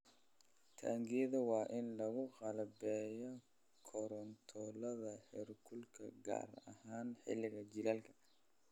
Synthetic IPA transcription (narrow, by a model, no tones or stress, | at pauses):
t̪ʰa̰ːŋɡiðɐwɑːʔɪnlɐɣʊqɑlbɛːjɔ | kʰɔɾɔnt̪ʰɔlɐðɐħɪrkʰʊlkʰɐ̰ɡa̰ːrɐhaːnħɪ̰lɪɣɐt͡ʃɪlaːlkʰɐ̥